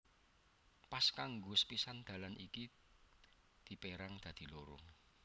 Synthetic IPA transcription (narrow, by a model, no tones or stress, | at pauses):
paskaŋɡʊspisand̪̥ä̤lanʔḭki | d̪̥i̤peɾaŋd̪̥ä̤d̪̥i̤loɾʊ̰ŋ